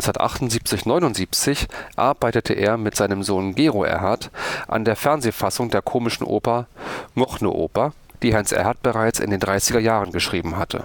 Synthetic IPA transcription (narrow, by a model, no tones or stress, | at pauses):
sɐtʔa̰χtʊntz̥iːp̚t͡sɪçnɔʏnʊntz̥iːpt͡sɪçʔa̰ɐbaɪtətʰəʔḛːɐmɪtz̥aɪnəmzoːnɡeːʁoʔɛ̰ɐɦatʔa̰ndeːɐfɛɐnzeːfasʊŋdeːɐkʰoːmɪʃn̩ʔo̰ːpɐŋɔχno̰ʔo̰ːpɐ | d̥iːɦaɪnsʔɛ̰ɐhat̚b̥əʁaɪt͡sɪ̰ndeːndʁaɪsɪɡɐjaːʁənɡəʃʁ̥iːbm̩ɦatʰə̰